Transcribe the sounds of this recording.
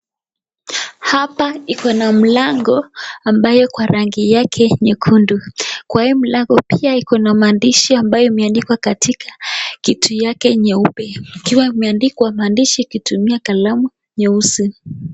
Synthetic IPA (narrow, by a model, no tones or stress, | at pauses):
hapaikɔnam̩laŋɡɔambajɔkwaɾʔaŋɡijakʰɛɲɛkʰundukwahim̩laŋɡɔpiaikɔnamaːndiʃiambajɔimɛandikwakatikʰḁkitʰujakɛɲɛupɛikiwaimɛandikwamaːndiʃikitumiakalamu | ɲɛusi